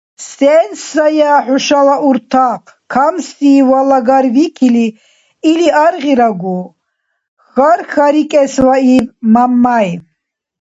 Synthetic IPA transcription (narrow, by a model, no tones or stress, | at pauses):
sɛnsajaħuʃalaʔuɾt̪ʰaqʰkʰamst̪iːwalaɡaɾvikʰili | iliʔaɾʁiɾaɡu | xaɾxaɾikʼɛsvaivmamːaj